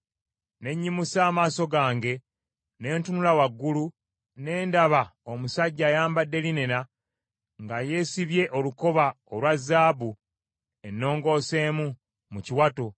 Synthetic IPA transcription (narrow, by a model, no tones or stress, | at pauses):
ne̞ɲːimusaːmaːso̞ɡaːŋɡe̞ | ne̞ːntunulawaɡːulu | ne̞ːndaβao̞musaɟːaːjaːmbadːe̞linena | ŋɡaje̞ːsiβje̞ʔo̞luko̞βa | olwazːaːbu | e̞nːo̞ːŋɡo̞ːse̞ːmu | muciwato̞